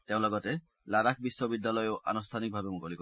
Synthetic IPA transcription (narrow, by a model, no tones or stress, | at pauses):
t̪eʊ̃lɔɡɔt̪e | laɾakʰbisːɔbid̪ːalɔjoʔa̰nust̪ʰanik̚bʱabemukɔlikɔ